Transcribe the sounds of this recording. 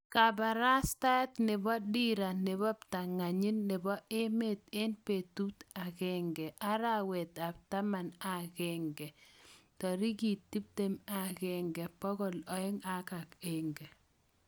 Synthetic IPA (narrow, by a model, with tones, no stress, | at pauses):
ka˨ba˨ɾa˦sta˦t̪nɪ˨bɔ˦di˦ɾa˨nɪ˨bɔ˦p̚ta˨ŋa˨ɲi˦nːɪ˨bɔ˦ʔɪ˦me˦˨t̪ɪ˦npe˨tu˦ta˨kɛ˦ŋɡɛ˨ʔa˦ɾa˦wɛ˨t̪a˨b̚ta˦ma˨na˨ɡɛ˨ŋɡɛ˨tɔ˨ɾi˦ɡi˨ttːi˦p̚te˦ma˨kɛ˨ŋɡɛ˨pɔ˦ɡɔ˨lɔ˨ɪ˦ŋa˨ka˨ke˨ŋɡɛ˨